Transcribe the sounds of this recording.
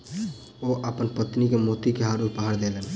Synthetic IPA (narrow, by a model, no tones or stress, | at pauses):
oʔəpənpət̪nikemot̪ikeɦaɾuɾpaɦaɾd̪elen